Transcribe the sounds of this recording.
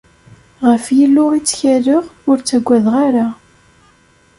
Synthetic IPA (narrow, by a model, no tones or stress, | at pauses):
ʁəfjəlːʊʁit͡sːçæləʁʊɾt͡sːæɡʷːæðʁaɾa